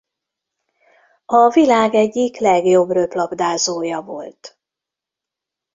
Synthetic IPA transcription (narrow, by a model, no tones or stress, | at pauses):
ɒvilaːɡɛɟːiklɛɡjo̞brøplɒbd̪aːzoːjɒvo̞̰lt̪